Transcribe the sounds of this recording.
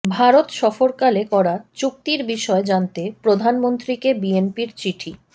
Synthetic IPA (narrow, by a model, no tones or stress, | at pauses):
bʱaɾot̪ʃɔfoɾkalekɔɾat͡ɕuk̚t̪iɾbiʃɔed͡ʑant̪epɾod̪ʱanmont̪ɾikebienpiɾt͡ɕiʈʰi